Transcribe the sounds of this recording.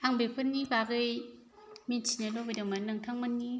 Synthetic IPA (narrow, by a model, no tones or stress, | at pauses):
aŋbepʰɯnːibaɡɯj | minsinalɔbɯdamanːaŋtʰaŋmanːi